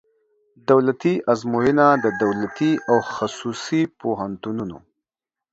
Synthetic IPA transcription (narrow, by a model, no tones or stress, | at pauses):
d̪awlat̪iʔazmojinad̪əd̪awlat̪iʔawxasusipoɦant̪ununo̰